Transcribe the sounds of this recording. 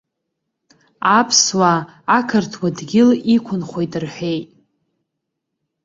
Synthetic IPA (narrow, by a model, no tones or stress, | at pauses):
apʰswaːkʰɨrtʰwadɡʲɪlikʷʰʊnχʷo̞jtʼɨrħʷᶣejtʼ